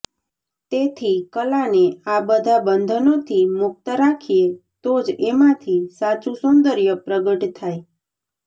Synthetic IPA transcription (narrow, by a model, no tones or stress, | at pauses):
t̪et̪ʰikəlãneabəd̪ʱabənd̪ʱənot̪ʰimʊk̚t̪əɾakʰiet̪od͡ʒemãt̪ʰisat͡ʃusund̪əɾjəpɾəɡəʈt̪ʰaj